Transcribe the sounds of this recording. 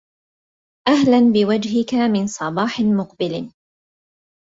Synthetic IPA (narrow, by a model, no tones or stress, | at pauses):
ʔaɦlanbɪwad͡ʒɦɪkamɪnsˤɑbɑːħɪmʊqbɪl